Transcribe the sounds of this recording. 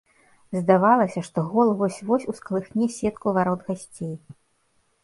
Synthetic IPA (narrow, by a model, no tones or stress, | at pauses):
zd̪avalˠɐsʲɐʂt̪ɔɣɔlˠvɔsʲvɔsʲusklˠɨxnʲɛsʲɛt̪kuvaɾɔd̪ɣasʲt͡sʲej